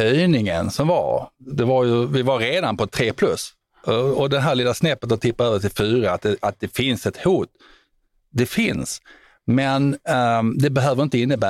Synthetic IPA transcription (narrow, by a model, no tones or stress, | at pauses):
œjnɪŋə̰nsɔmva̰ɾd̪ɛvaɾjɵvɪvaɾːeːd̪anpɔt̪ʰɾeːpʰlɵs | ɔɔd̪ɛɦæːlɪːlasnɛpːət̪ɔt̪ʰɪpːaøːvəʈɪlfyːɾaat̪̚d̪ɛat̪̚d̪ɛfɪnsɛt̪huːt̪ | d̪ɛfɪns | mɛn | d̪ɛbɛɦøːvəɾɪnt̪əɪnːəbæː